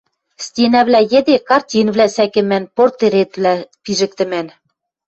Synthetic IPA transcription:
stʲenæβlæjĕd̪ekɑrtʲinβlæsækɘ̆mænport̪eɾet̪vlæpiʒɘ̆k̚t̪ɘ̆mæn

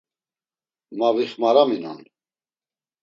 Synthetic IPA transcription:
maviχmaɾamina̰n

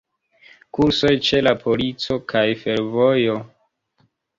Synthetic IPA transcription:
kuɾso̞jt͡ʃe̞lapʰo̞lit͡so̞kʰajfe̞ɾvojo̞

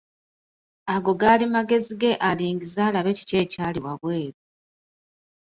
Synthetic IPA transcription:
aɡo̞ɡaːlimaɡe̞ziɡe̞ʔaliːŋɡizaːlaβe̞ːci̥ce̞ːcaːliwaβwe̞ːβu

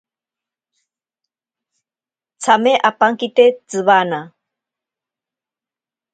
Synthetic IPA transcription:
t͡sʰameʔapaŋkit̪et͡sɨβana

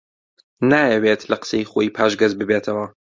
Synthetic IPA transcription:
naːjɛwet̪lɐqə̥seiχoːjiːpʰaːʃɡɐzbɨbeːt̪ʰɐwɐ

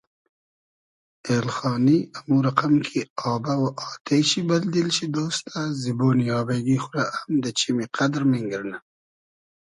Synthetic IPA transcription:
eːlxɑːniamuɾaqamkʰiɑːbawaʔɑːt̪ʰejɕibɐld̪ilɕid̪oːst̪ʰaziboːniɑːbaɡixʊɾaʔamd̪ət͡ʃimiqʰad̪ɾmiŋɡəɾna

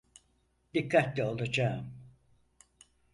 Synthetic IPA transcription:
d̪̥ikʰːat̪lʲɛo̞lˠad͡ʒaːm

